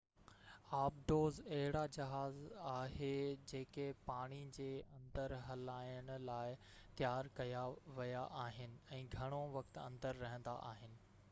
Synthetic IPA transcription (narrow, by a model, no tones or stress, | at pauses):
aːb̚ɖoːzɐɦɪɽad͡ʑɐɦaːzaːɦed͡ʑeːkepaːɽ̃id͡ʑeːɐ̃nd̪əɾɦɐlaːjəɽ̃ʊ̆laːɪ | t̪jaːɾkɐjaʋɐjaʔaːɦɪnɪ̆ɛ̃ːɡʱɐɽ̃oʋɐkt̪ɐ̰̃nd̪əɾːɐɦə̃nd̪a̰ʔaːɦɪnɪ̆